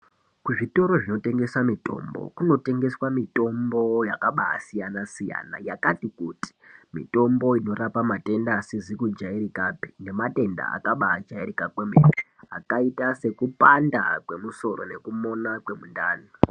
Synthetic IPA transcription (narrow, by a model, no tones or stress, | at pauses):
kuʐito̞ɾo̞ʐino̞te̞ŋɡe̞swamito̞̰mbo̰kuno̞te̞ŋɡe̞swamito̞mbo̞jakaɓaa̰sijanasija̰ːna̰jakatikuti̥mḭto̞mbo̞ino̞rapamate̞ndasizikud͡ʒaiɾikapi̥ne̞mate̞nda̰a̰kaɓa̰ːd͡ʒairikakwemepe | a̰kaitase̞kupanda̰kwe̞muso̞ɾo̞̰ne̞kumo̞nakwe̞mundaːni